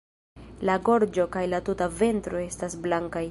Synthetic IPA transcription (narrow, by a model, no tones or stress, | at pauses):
laɡo̞ɾd͡ʒo̞kajlatutave̞ntɾo̞e̞stasblaŋkaj